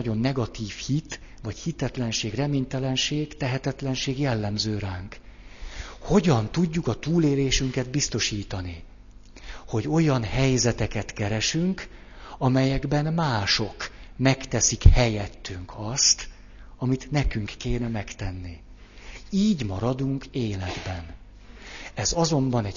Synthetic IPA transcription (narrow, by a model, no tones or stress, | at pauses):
ɒɟo̞nːɛɡɒt̪iːfhit̪ | vɒchit̪ɛt̪lɛnʃeːɡrɛmeːɲt̪ɛlɛnʃeːɡt̪ɛɦɛt̪ɛt̪lɛnʃeːɡjɛlːɛmzøːɾaːŋk | ho̞ɟɒnt̪uɟːukɒt̪uːleːleːʃyŋkɛd̪̚bist̪o̞ʃiːt̪ɒni | ho̞ɟo̞jɒnhɛjzɛt̪ɛkɛt̪kɛɾɛʃyŋk | ɒmɛjɛɡbɛnmaːʃo̞kmɛkt̪ɛsikhɛjɛt̪ːyŋkʰɒst̪ | ɒmit̪nɛkyŋkːeːnɛmɛkt̪ɛnːi | iːɟmɒɾɒd̪uŋkeːlɛɡbɛn | ɛzɒzo̞mbɒnɛɟ